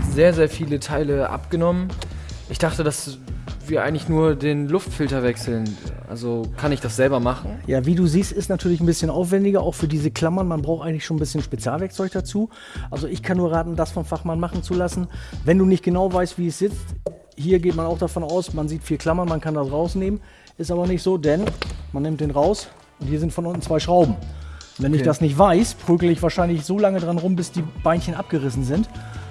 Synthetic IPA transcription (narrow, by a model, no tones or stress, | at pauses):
zeːɐzeːɐfiːlətʰaɪləʔa̰pɡ̥ənɔmənʔɪçd̥aχtədas | viːɐʔa̰ɪɡŋ̩tlɪçnuːɐdeːnlʊftfɪltɐvɛksl̩nʔa̰lzokʰanɪçd̥asz̥ɛlbɐmaχn̩jaːviːduːziːstɪstnatʰyːɐlɪçn̩bɪsçənʔaʊfv̥ɛndɪɡɐʔa̰ʊxfyːɐdiːzəkʰl̥amɐnmanbʁaʊxtʔaɪɡŋ̩tlɪçʃoːn̩bɪsçənʃpet͡sjaːlvɛɐkt͡sɔʏçd̥at͡suː | ʔalzoɪçkʰanːuːɐʁaːtn̩dasfɔnfaχmanmaχn̩t͡sulasn̩vɛnduːnɪçt̚ɡ̥ənaʊvaɪstv̥iːɛsz̥ɪt͡st | hiːɐɡeːtmanaʊxd̥afɔnaʊsmanziːtfiːɐkʰl̥amɐnmankʰandasʁaʊsneːmən | ʔɪstʔaːbɐnɪçtz̥oːdɛnmanːɪmtd̥eːnʁaʊs | ʔʊnthiːɐzɪntfɔnʔʊntn̩t͡sv̥aɪʃʁ̥aʊbm̩vɛnɪçd̥asnɪçtv̥aɪspʁ̥yːɡl̩ɪçvaːɐʃaɪnlɪçz̥oːlaŋədʁanʁʊmbɪsd̥iːb̥aɪnçənʔap̚ɡ̥əʁɪsn̩zɪnt